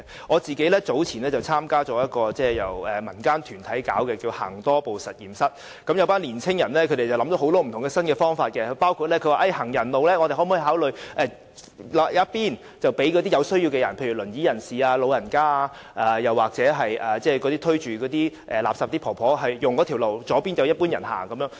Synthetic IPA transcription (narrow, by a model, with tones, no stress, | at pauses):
ŋɔː˨˧t͡siː˨ke˨˥jlɛː˥t͡so˨˥wt͡sʰiː˨˩nlɛː˥t͡sɐ˨˩wt͡sʰaː˥mkaː˥t͡sɔː˨˥jɐ˥t̚kɔː˧t͡sɛː˥˩jɐ˨˩wɛː˨mɐ˨˩nkaː˥nt̪ʰyː˨˩nt̪ʰɐ˨˥jkaː˨˥wkɛː˧kiː˧wha̰ː˨˩ŋt̪ɔː˥po˨wsɐ˨t̚jiː˨˩msɐ˥t̚ | kɐ˨˥mjɐ˨˧wpaː˥nliː˨˩nt͡sʰɪ˥ŋjɐ˨˩nlɛː˥kʰɵ˨˧t̪e˨jt͡sɐ˨˩wlɐ˨˥md̪o˨˥wɦo˨˥wt̪ɔː˥m̩ʰ˨˩ʊ˨˩ŋɡɛ˧sɐ˥nkɛː˧fɔː˥ŋfaː˧t̚kɛ˧paː˥wkʰu˧t̚lɛː˥kʰɵ˧waː˨ʔɐ˥˧jhɐ˨˩ŋjɐ˨˩nlo˨wlɛː˥ŋɔ˨˧ɾe˨jɦɔ˨˥mː˨˥˨ɦaː˨˥wlɵ˨ɥʔɛː˨˧ | lɐ˨˥jaː˨˥piː˥n | t͡sɐ˨wpe˨˥jk̬ɔː˨˧t̪iː˥jɐ˨˧wsɵ˥ɥji˧wkɛ˧jɐ˨˩npʰe˧jy˨˩lɵ˨˩njiː˨˥jɐ˨˩nsiː˨aː˧lo˨˧wjɐ˨˩nkaː˥aː˧ʔaː˨˩jɐ˨waː˨k̚t͡sɛː˨˥ɦɐ˨jʔɐː˨t͡sɛː˥˩kɔː˨˥t̪iː˥t̪ʰɵ˥ɥt͡ʃyː˨˩kɔː˨˧˥t̪iː˥ʔɛː˨˩laː˨psaː˨p̚t̪iː˥pʰɔː˨˩pʰɔː˨˥ɦɐ˨jjʊ˨˩ŋkɔ˨˧t̪ʰi˨˩wlo˨˩wt͡sɔː˨˥piː˥njɐ˨˧wjɐ˥t̚puː˥njɐ˨˩nha̰ː˨˩ŋkɐ˨˦mjœː˨˥ŋ